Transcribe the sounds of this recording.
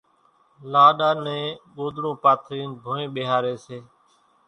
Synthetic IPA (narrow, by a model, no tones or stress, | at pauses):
laːɗaːnɛ̃ːɠoːd̪ɾõːpaːt̪ʰɾiːnbʱoːẽːɓeːɦaːɾeːseː